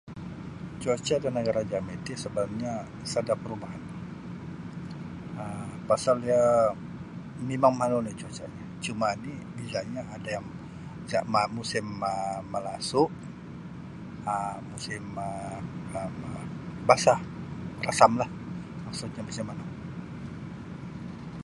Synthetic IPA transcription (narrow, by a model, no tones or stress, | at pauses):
t͡ʃot͡ʃadanəɡaɾad͡ʒamit̪isəbalap̚ɲa | sadapəɾubaɦan | əpasalja | mimaŋmanunit͡ʃot͡ʃaɲat͡ʃumanibisaɲaːdajaŋ | d͡ʒa̰ʔmamusɪməːəlasʊʔ | əmusɪməəmbasa | rasamlah | maksʊʔɲabasimana